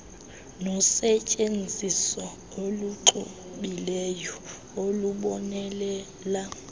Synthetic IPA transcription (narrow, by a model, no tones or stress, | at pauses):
nɔsɛcʼend͡zʱisɔ | oluǀu | ɓilɛjɔ | oluɓɔnɛlɛ | la